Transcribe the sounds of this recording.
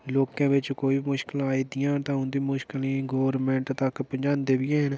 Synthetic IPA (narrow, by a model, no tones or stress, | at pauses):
loːkãːʋɪt͡ʃkoːimʊʃkɪlaːid̪ɪjãːt̪ãːɦʊ̃nd̪ĩːmʊʃkɪlĩːɡoːɾmɛ̃ːɳʈt̪əkpəɲd͡ʒãːnd̪eːbɪjãːɦɪn